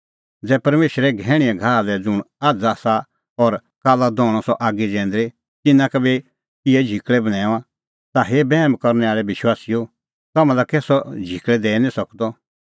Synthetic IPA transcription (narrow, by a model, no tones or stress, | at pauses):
d͡zɛːpɐɾmeːʃɾɛɡʱɛːɽ̃iɛ̃ɡʱaːlɛd͡zʊɽ̃ | aːd͡zasa | ɔɾ | kaːlad̪ɔːɽ̃ɔsɔʔaːɡid͡ʒɛ̃ːn̆d̪ɾe | tɪnːãkɐbɛ | kɪɛd͡ʒʱikɭɛbɐɽ̃ɛ̃ːã | t̪aɦebɛːmkɔɾnɛaːɭɛbɪʃwaːsijo | t̪ɐmãlakeːsɔd͡ʒʱikɭɛd̪ɛːnĩsɐkd̪ɔ